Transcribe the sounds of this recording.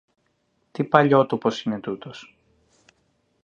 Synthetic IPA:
t̪ipɐʎo̞t̪opo̞sine̞t̪ut̪os

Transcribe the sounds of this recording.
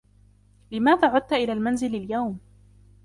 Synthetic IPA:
lɪmaːðaːʕʊd̪̚t̪aʔɪlaːlmanzɪlaljawm

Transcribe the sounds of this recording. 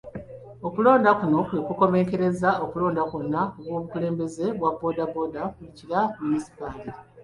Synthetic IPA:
o̞kulo̞ːndakuno̞kwe̞kuko̞me̞ːŋke̞ɾe̞zao̞kulo̞ːndakonːaoɡwo̞ːβukule̞ːmbe̞ze̞βwabːo̞ːdabo̞dakuliciɾamunisi̥pali

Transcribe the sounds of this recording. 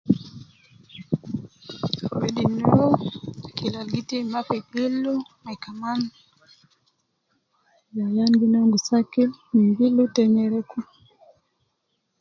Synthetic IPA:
wɛdinɛɔkilalɡitimapibilumakaman | jajaŋɡinɔŋɡusakilmiŋɡilutɛɲɛɾɛku

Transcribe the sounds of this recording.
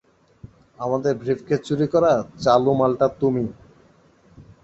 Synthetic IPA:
amad̪eɾbʱɾifket͡ɕuɾikɔɾat͡ɕalumalʈat̪umi

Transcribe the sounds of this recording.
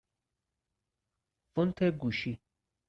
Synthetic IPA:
fʊnt̪ʰeɡuʃi

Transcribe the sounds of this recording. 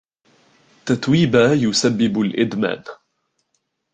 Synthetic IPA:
t̪at̪wiːbaːjʊsabːɪbalʔɪd̪ma̰ːn

